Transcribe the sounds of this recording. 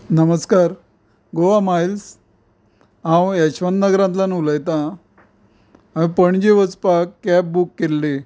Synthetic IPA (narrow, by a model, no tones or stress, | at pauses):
nəməskaɾ | ɡoʋamajls | ɦãwjɛɕʋənnəɡɾãnt̪lanuləjt̪ã | mipəɳd͡ʑeʋət͡spakːɛp̚bukːelːe